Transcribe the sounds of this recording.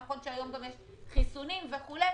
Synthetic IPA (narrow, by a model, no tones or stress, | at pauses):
χonʃeajomɡamjeʃ | χisunimveχule